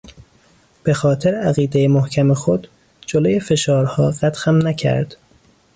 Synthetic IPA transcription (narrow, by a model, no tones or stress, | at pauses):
b̥e̞xɒːt̪ʰeɾeæɣiːd̪ejemohcʰæmexod̪̥ | d͡ʒoloje̞fe̞ʃɒːɾhɒːɢæt̪xæmnæcʰæ̰ɾd̪̥